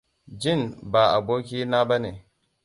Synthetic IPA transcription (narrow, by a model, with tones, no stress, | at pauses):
d͡ʒi˦˨nba˨a˨bo˦kʲi˦na˦ba˦ne˨